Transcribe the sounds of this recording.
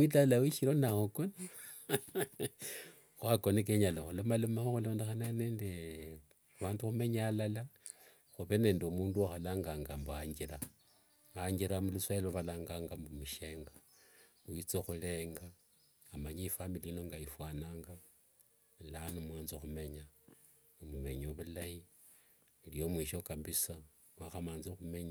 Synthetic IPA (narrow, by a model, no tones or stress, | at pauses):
mwitalawiʃiɾonahokona | xwakonek̬eɲaloxulomalomaxoxulo̞ːndexananeːnde | βaːnduxume̞ɲalala | xuβene̞ːndeomuːnduaxalaːŋɡaŋɡamboaɲɡira | aɲɡiɾamuluswaloβalaːŋɡaːŋɡambumuʃe̞ːŋɡa | wit͡soxule̞ːŋɡaː | maɲifambilinoŋɡajifwaːnaːŋɡa | lanumwaːnzoxume̞ɲa | omume̞ɲoβulaji | ilijo̞mwiʃokabisa | mwaxamaːnzixume̞ɲa